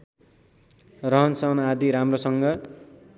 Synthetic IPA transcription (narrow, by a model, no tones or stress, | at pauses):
rʌɦʌnsʌnad̪iɾamrosʌŋɡʌ